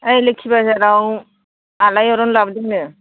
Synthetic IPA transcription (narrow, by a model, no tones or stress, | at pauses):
ajlɯkʰibasaɾaw | alajɔɾɔnlabdiŋnɯ